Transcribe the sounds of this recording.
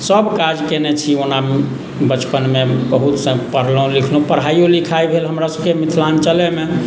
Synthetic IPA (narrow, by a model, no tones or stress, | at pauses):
səbkad͡ʒkenɛt͡ʃʰiona | bət͡ʃpənmebəɦut̪sə̃pəɾ̤lɔũlikʰlõpəɾɦajolikʰaibʱelɦəmɾasəbkemit̪ʰlant͡ʃəleme